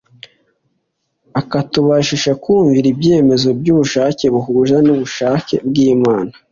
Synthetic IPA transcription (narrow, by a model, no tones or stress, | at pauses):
akatuβaʃiʃakuːɱviɾibje̞me̞zo̞bɟuβuʃaːce̞βuɦuʒanuβuʃaːce̞̰bɡiːmaːna